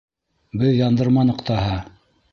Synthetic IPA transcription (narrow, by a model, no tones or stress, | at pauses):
bɘðjɑnd̪ɤ̆ɾmɑnɤ̆qt̪ɑɦɑ